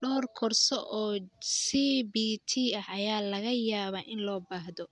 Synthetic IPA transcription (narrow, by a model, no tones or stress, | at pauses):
ɖɔːrkʰɔrsɔʔɔːsibit̪ʰiɐhɐjaːlɐɣɐjaːβaːʔɪnlɔːbaːɦðɔ